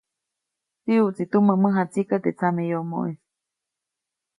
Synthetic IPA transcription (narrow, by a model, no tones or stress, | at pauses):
siut͡sit̪umə̃mə̃ɦat͡sikat̪et͡sʰamẽjomõ̰ʔis